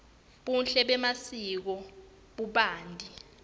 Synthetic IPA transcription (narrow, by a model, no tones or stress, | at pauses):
ɓunɬɛɓɛmasik̬ɔ | ɓuɓaːndʱi